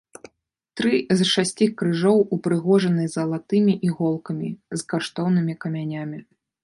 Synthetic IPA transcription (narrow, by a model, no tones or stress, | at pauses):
t̪ɾɨzʂasʲt͡sʲikɾɨʐɔwupɾɨɣɔʐɐnɨzɐlˠat̪ɨmʲiʔiɣɔlˠkɐmʲizkaʂt̪ɔwn̪ɨmʲikɐmʲanʲamʲi